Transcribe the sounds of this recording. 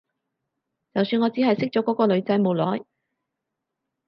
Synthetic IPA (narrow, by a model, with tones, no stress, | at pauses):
t͡sɐ˨wsyː˧nŋɔː˨˧t͡siː˨˥hɐ˨jsɪ˥k̚t͡ʃɔː˨˥kɔː˨˥kɔː˧lɵ˨˧ɥt͡sɐ˨˥jmo˨wlɔː˨˥j